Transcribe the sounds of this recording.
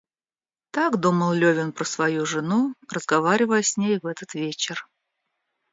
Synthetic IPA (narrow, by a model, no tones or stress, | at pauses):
t̪aɡd̪uməlˠlʲɵvʲɪnpɾəsvɐjuʐɨnurəzɡɐvaɾʲɪvəjəsʲnʲejvɛt̪ət̪vʲet͡ɕɪr